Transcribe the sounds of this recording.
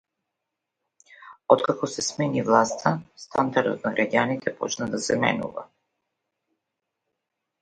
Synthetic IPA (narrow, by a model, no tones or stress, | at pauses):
ɔt̪kakɔsɛsmɛnivlˠast̪ʰast̪ʰand̪aɾd̪ɔ̰t̪naɡɾʔaɟanit̪ʰɛpɔt͡ʃnad̪asɛmɛ̰nṵva̰